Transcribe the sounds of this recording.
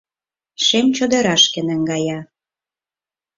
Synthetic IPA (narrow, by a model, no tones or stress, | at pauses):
ʃemt͡ɕod̪ə̆ɾɑʃkĕnə̆ŋɡɑjɑ